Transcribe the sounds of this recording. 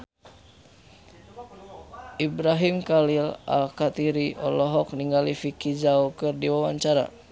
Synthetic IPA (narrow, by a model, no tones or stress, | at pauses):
ʔibɾaɦimkalila̰lkat̪iɾiʔɔlɔɦɔk̚niŋɡalifikid͡ʒaukɨrdiwawaɲt͡ʃaɾa̰